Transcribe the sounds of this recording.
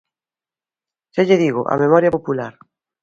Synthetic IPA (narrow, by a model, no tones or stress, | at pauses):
seʎeðiɣʊʔa̰memɔɾjapopulaɾ